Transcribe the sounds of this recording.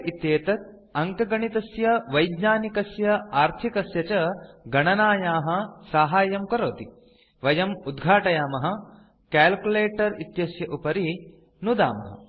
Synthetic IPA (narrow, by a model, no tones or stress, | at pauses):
it̪jeːt̪ɐt̪̚ | ɐŋkɐɡɐɳit̪ɐsjɐʋɐjd̪ɲaːnikɐsjɐaːɾt̪ʰikɐsjɐt͡ʃɐɡɐɳɐnaːjaːɦɐ̆saːɦaːjɐmkɐɾoːt̪i | ʋɐjɐmud̪ɡʱaːʈɐjaːmɐɦɐ̆ | kæːlkuleːʈɐɾit̪jɐsjɐʔupɐɾi | nud̪a̰ːmɐɦɐ̰